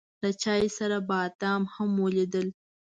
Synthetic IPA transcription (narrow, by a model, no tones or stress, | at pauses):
lət͡ʃɑjsaɾabaːt̪ɑmhamːoled̪əl